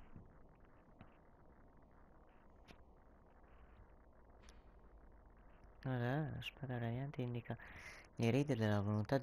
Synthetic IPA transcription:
oɾaa̰spad̪aɾad̪jant̪eind̪ikaleɾiːd̪ed̪elavolunt̪ad̪

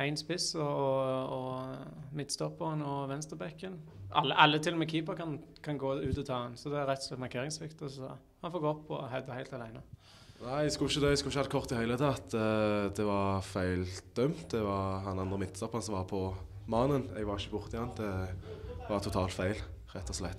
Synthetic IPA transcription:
æɪnspɪsɔɔɔ | mɪt̪ːst̪ɔpːəʁənɔʋɛnst̪əʁbɛkːənɑ̰lːəʔɑlːət̪ʰɪlːɔmɛkʰiːpəkɑnkʰɑnɡoːʉːt̪ɔt̪ʰɑːɑnsɔd̪ɛæɾʁɛt̪sɛt̪mɑʁkʰeːɾɪŋsʋɪkt̪ɔsɔ̰ | hɑnfoːɡɔpʰːɔ̰hɛd̪əhæɪlt̪ɑlæɪnə | næɪɛskʉlɪçəd̪œɛskʉɪçəhɑd̪̚kʰɔʁt̪ɪhæɪlət̪ʰɑt̪d̪ɛʋɑʁfæɪld̪̥œmt̪̚d̪ɛʋɑʁhɑnɑnd̪ʁəmɪt̪ːst̪ɔpːəʁnsɔmʋɑʁpʰɔ | mɑnənɛɡʋɑʁɪçəbʊʁt̪ʰɪɑnd̪ɛ | ʋɑt̪ʰʊt̪ʰɑːlt̪fæɪl | ʁɛt̪ʰːɔslɛt̪ː

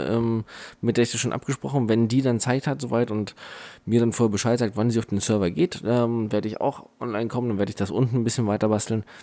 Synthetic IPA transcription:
ʔɛ̰ːmmɪt̚d̥eːɐɪçd̥asʃoːnʔa̰p̚ɡ̥əʃpʁ̥ɔχn̩vɛndiːdant͡saɪthatz̥oːvaɪtʊntmiːɐɾanfoːheɐbəʃaɪtz̥aːk̚tv̥anziːaʊfd̥eːnsœɐvɐɡeːtʔɛːmveːɐɾəɪça̰ʊxʔɔnlaɪnkʰɔməndanveːɐdəɪçd̥asʔʊntn̩nbɪsçənvaɪtɐbastl̩n

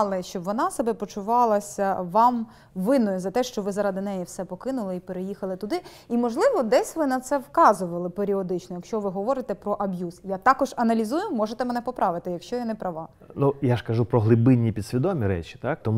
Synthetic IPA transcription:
lˠɪʃt͡ʃɔbʋɔnɑsɐbɛpɔt͡ʃʊʋɑlˠɐsʲɐʋɑm | ʋɪnɔjʊzɐt̪ɛʃt͡ʃɔʋɪzɐɾɑd̪ɪnɛjiwsɛpɔkɪnʊlˠɪipeɾejixɐlˠɪt̪ʊd̪ɪ | imɔʒlˠɪʋɔd̪ɛsʲʋɪnɐt̪sɛwkɑzʊʋɐlˠɪpeɾʲiɔd̪ɪt͡ʃnɔjɐkʃt͡ʃɔʋɪɦɔʋɔɾɪt̪ɛpɾɔʔɐbjusjat̪ɑkɔʒɐnɐlʲizujʊmɔʒet̪ɛmenɛpɔpɾʔɑʋɪt̪ɪjɐkʃt͡ʃɔjanɛpɾɐʋɑ | nujaʃkɐʒupɾɔɦlˠɪbɪnʲːipʲid̪sʲʋʲid̪ɔmʲiɾɛ̰t͡ʃʲi̥t̪ɑk̚t̪ɔm

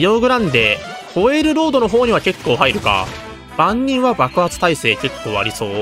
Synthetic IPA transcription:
joːɡɯ̟ɾãnd̪e̞ho̞eɾɯ̟ɾo̞ːd̪o̞no̞ɦo̞ːɲ̟iβake̞kːo̞ːɦaiɾɯ̟ka̰ | b̥ãɲːĩɰ̃βabakɯ̟hat͡sɨ̥t̪aise̞ːke̞kʰːo̞ːa̰ɾʲiso̞ː

